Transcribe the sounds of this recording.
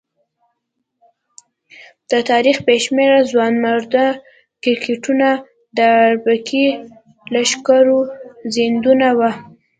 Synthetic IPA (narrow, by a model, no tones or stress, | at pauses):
d̪̥ət̪ɑɾixbeʃmeɾazwɑnmaɾd̪a | kɪɾkʰeʈuna | d̪əɾbakʰi | laʃkaɾozɪnd̪unawa